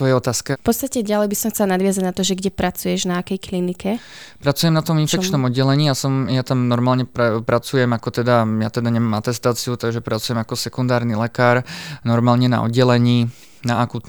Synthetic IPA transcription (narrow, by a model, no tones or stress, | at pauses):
tʋɔjɛɔt̪aːskɛfpɔt̪st̪acɛɟalɛjbisɔmxt͡sɛlanad̪ʋɪazaɟnat̪ɔʒɛɡɟɛpɾat͡sujɛʒnaːkɛjklinikɛpɾat͡sujɛmnat̪ɔminfɛkt͡ʃnɔmɔd̪ɟɛlɛɲiːasɔmjat̪amnɔɾmaːlɲɛppɾat͡sujɛmakɔt̪ɛd̪ajat̪ɛd̪aɲɛmamat̪ɛst̪aːt͡siut̪aɡʒɛpɾat͡sujɛmakɔsɛkund̪aːɾnilɛkaːɾnɔɾmaːlɲɛna̰ɔ̰d̪̚ɟɛlɛɲiː | naakuːt̪